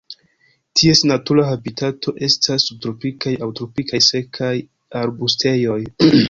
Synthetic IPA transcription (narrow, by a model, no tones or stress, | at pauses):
tʰie̞snatuɾahabitʰatʰo̞ʔe̞stʰasːub̚tɾo̞pikajawtɾo̞pikajse̞kʰaj | aɾbustʰe̞jo̞j